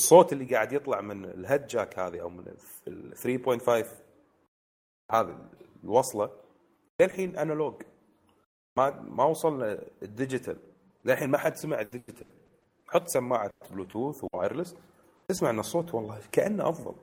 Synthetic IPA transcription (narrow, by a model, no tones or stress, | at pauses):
sˤːoːt̪ɪlːiɡaːʕad̪jɨt̪ˤlɑʕmɪnlɦad̪̚d͡ʒaːkhaːðiʔa̰wmɪn̰ | θɾiːboːjnt̪fajv | haːðḭlwɑsˤlɑ | leːlħiːnʔanaloːɡ | mamawɑsˤɑlnaəd̪ːɪd͡ʒɪt̪ʰa̰l | lelħiːnmaħad̪smaʕɪd̪ːɪd͡ʒɪt̪ʰal | ħʊt̪ˤːsamːaːʕabluːt̪uːθwa̰ːjɾlɪs | t̪ɪsmaʕnasˤːoːt̪wɑlˤːɑːkaʔanːaʔɑfðˤɑ̰l